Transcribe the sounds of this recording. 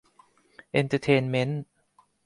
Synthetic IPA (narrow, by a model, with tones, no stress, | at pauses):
ʔe˧nt̪ʰə˧t̪ʰeː˧nme˦˥n